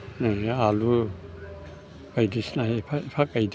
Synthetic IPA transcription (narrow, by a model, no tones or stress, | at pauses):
najalu | ajdisnaɦepʰpʰakʼajd